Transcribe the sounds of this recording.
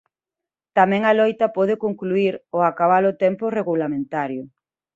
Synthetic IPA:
t̪amɛ̃ŋalɔjt̪ɐpɔð̞ɪkoŋkluiɾoakaβalʊt̪ɛmpʊreɣulamẽnt̪aɾjʊ

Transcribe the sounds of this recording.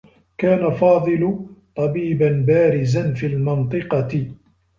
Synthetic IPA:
kaːnafɑːd̪ˤɨlʊt̪ˤɑbiːbanbaːɾɪzanfiːlmɪnt̪ˤɨqɑɪ

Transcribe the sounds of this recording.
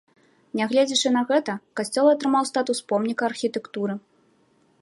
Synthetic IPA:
nʲaɣlʲed͡zʲit͡ʂɨnɐɣɛt̪ɐkasʲt͡sʲɔlˠɐt̪ɾɨmawst̪at̪uspɔmnʲikɐːrxʲit̪ɛkt̪uɾɨ

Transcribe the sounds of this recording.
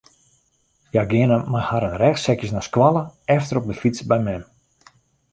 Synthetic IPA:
jaɡɪənəmahaɾənrɛxsɛkjəsnaskwalˠəɛftəɾɔp̚dəfit͡sbɛjmɛm

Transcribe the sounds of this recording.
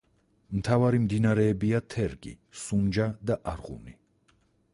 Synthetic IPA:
mt̪ʰavaɾimd̪inaɾɛːbiat̪ʰɛɾɡḭ | sund͡ʒad̪aʔaɾʁṵni

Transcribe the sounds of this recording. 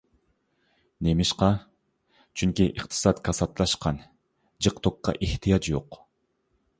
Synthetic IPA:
nemɪʃqɑ | t͡ʃʰyŋkʲiʔɨqt̪ʰɨ̥sɑt̪kʰɑsɑt̪lˠɑʃqɑn | d͡ʒɨqt̪ʰoqːɑ̰ʔiht̪ʰijɑt͡ʃjo̰q

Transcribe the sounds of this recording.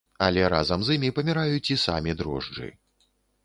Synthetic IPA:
ɐlʲɛɾazɐmzimʲipɐmʲiɾajut͡sʲisa̰mʲid̪ɾɔ̰ʐd͡ʐɨ̰

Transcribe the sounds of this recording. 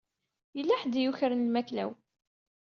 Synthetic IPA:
jəlːaħd̪juçɾənlmæklæ̰w

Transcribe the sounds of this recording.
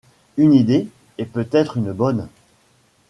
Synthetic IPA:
ynid̪e | ɛpøt̪ɛt̪χynbɔn

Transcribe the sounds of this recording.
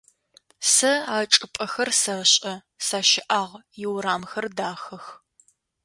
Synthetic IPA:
sɐaːʈ͡ʂʼɨpʼɐxɐrsɐɕʼɐ | saːʃɪʔaːʁjɪwɾaːmxɐrdaːxɐx

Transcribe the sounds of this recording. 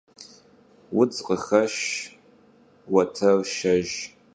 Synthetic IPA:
wʊd͡zqʼəxɐʃ | wɐtʰɐrʃɐʒ

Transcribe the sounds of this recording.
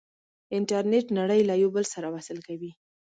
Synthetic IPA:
ɪɳʈaɾneʈnaɽəjlajobəlsaɾawasɪlkawi

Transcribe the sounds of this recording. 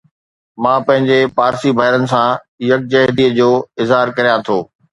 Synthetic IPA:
mãːpɐ̃ɦɪ̃ɲd͡ʑepaːɾsibʱaːɪɾənɪ̆sã | jɐk̚d͡ʑɐɦd̪iːəd͡ʑoːɪzɦaːɾkɐɾijãt̪ʰoː

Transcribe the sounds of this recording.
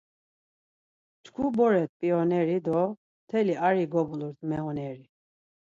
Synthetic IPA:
t͡ʃkʰubɔɾɛt̪̚ʼpʼiɔnɛɾid̪ɔ | t̪ʰɛliaɾiɡɔbuluɾt̪ʰmɛɣɔnɛɾi

